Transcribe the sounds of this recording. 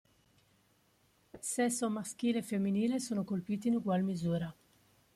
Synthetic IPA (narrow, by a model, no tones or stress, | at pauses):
sɛsomask̟iːlefemːiniːlesoːnokolpiːt̪̬inuɡwalmizuːɾa